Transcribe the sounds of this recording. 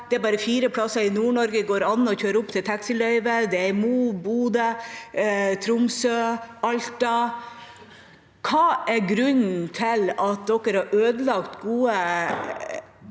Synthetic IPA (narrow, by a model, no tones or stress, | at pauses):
d̪̥ɛæɾbɑːɾəfiːɾəpʰɽɑsɑɾɪnuːɳɔɾɡəɡoːɾɑnːɔçøːɾəʊpt̪ʰɪlt̪ʰɑksəlœʏʋəd̪ɛæɾmuːbuːd̪ə | t̪ʰɾʊmsøːɑlt̪ɑ | kʰɑːʔæɾɡɾʉɲn̩t̪ʰɪlɑt̪̚d̪ɔkːəɾhɑɾʔøːd̪əlɑɡt̪ɡuːə